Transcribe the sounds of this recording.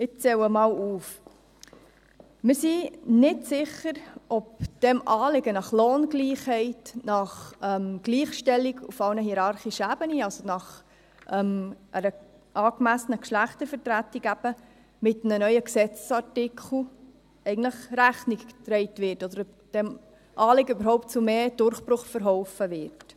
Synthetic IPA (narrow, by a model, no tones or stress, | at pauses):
ɪt͡sɛwəmɑːwuːf | mɪɾsinɪtsɪχːəɾʔɔp̚d̥ɛmɑːlɪɡənɑχloːnɡliːχhɛɪtnɑχɛmɡ̥liːχʃtɛlːiɡufɑwnəɦiɾɑɾχiʃəæb̥əniɑlsonɑχ | ʔɛmʔəɾə | ʔɑːkmæsənəkʃlæχtəɾfəɾtɾætːikæb̥ə | mɪtnənœʏəksɛt͡ssɑɾtɪkʰl̩ˠ | ɛɪɡn̩dləχɾæχnikktɾɛɪtʋɪɾtɔd̪əɾɔp̚d̥ɛm | ʔɑːlɪɡəybəɾɦɔʊp̚tt͡sumeːd̥ʊɾχpɾʊχfəɾɦɔʊfəʋɪɾt